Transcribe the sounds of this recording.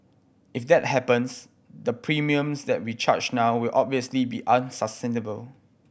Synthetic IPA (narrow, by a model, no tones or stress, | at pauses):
ʔɪfdɛt̚hɛpə̃ns | dəpʰɹimiə̃msdɛt̚wit͡ʃa̰t͡ʃnawwɪlʔɔb̚viəslibiʔãnsəstɛ̃nəbəl